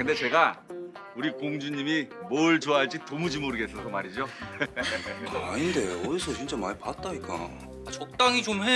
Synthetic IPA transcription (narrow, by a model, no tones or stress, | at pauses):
kɯnde̞t͡ɕe̞ɡa | uɾikoŋd͡ʑuɲːimimoɭt͡ɕoaɭt͡ɕ͈itomud͡ʑimoɾɯɡe̞s͈ʌsʰʌmaɾid͡ʑo | aɲinde̞ʌdisʰʌt͡ɕint͡ɕ͈amaɭpat͈̚aik͈a̰ | at͡ɕʌk̚t͈aŋit͡ɕomɦe